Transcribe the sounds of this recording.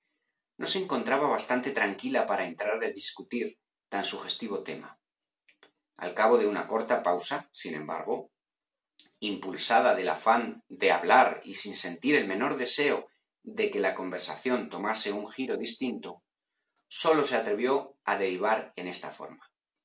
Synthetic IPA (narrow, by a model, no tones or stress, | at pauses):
nʔo̞se̞ːŋko̞nt̪ɾaβ̞aβast̪ant̪e̞t̪ɾaŋkilapaɾae̞nt̪ɾaɾðe̞ðiskut̪iɾ | t̪ansuxe̞st̪iβ̞o̞t̪e̞̰ma̰ | a̰lkaβo̞ðe̞una̰ko̞ɾt̪apawsasinẽ̞̰mba̰ɾɣ̞o̞ | impulsað̞aðe̞la̰fand̪e̞aβ̞laɾḭsinse̞nt̪iɾe̞lmẽ̞no̞ɾðe̞se̞o | d̪e̞ke̞lako̞mbe̞ɾsaθjo̞nt̪o̞mase̞uŋxiɾo̞ðist̪int̪o̞ | so̞lo̞se̞at̪ɾe̞β̞jo̞aðe̞ɾiβ̞aɾe̞ne̞st̪afo̞̰ɾma